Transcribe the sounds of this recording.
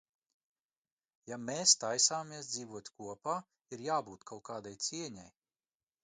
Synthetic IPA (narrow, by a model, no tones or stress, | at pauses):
jameːst̪ajsaːmiɛsd̪ziːvuɔt̪ʲkuɔpaː | iɾjaːbuːt̪kʰawkaːd̪ajt̪siɛɲaj